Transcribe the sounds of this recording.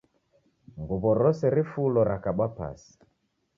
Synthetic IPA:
ŋɡuβɔɾɔsɛɾifulɔɾakaɓapa̰si̥

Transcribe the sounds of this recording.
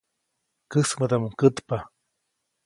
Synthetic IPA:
kɨsmət̪amuŋkət̪pa

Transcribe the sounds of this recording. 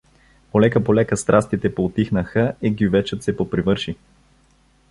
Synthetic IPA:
polɛkəpolɛkəst̪ɾʔast̪it̪ɛpoːt̪ixnəxəiɡivɛt͡ʃət̪sɛpopɾivɤɾʃi

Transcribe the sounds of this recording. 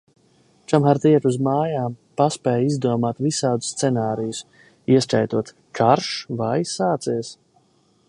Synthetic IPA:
t͡ʃamxaɾt̪iɛɾuzmaːjaːmpaspɛːjizd̪uɔmaːt̪visaːd̪usːt̪sɛnaːɾijus | iɛskajt̪uɔt̪ | kʰaɾʃvajsaːt̪siɛs

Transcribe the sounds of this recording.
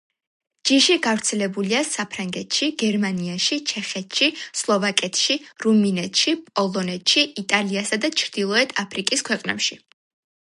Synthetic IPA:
d͡ʒiʃiɡavɾt̪sʰɛlɛbuliasapʰɾaŋɡɛt̪ʰʃiɡ̥ɛɾmaniaʃit͡ʃʰɛχɛt̪ʃislˠɔvakʼɛt̪ʰʃiɾuminɛt̪ʰʃipʼɔlˠɔnɛt̪ʰʃiit̪ʼaliasad̪at͡ʃʰɾd̪̥ilˠɔɛt̪ʰapʰɾikʼiskʰwɛqʼnɛ̰pʃi

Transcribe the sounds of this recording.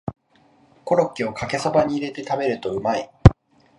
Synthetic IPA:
ko̞ɾo̞kʲːio̞kake̞so̞baɲ̟iːɾe̞t̪e̞t̪abe̞ɾɯ̟t̪o̞ɯ̟mai

